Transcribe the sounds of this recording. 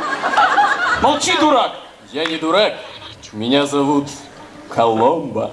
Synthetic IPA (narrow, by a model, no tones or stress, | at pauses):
mɐlˠt͡ɕid̪ʊɾak | janʲɪd̪ʊɾakmʲɪnʲazɐvut̪ | kʰɐlˠɔmbə̰